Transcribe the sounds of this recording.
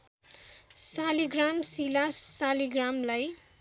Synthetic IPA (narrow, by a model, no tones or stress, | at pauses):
saliɡramsilasːaliɡramlaj